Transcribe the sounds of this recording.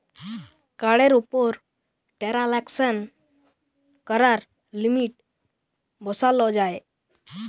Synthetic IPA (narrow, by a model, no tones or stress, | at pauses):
kaɽeɾupɔɾ | ʈɛɾalɛksən | kəɾaɾ | limiʈ | bɔsalɔd͡ʒae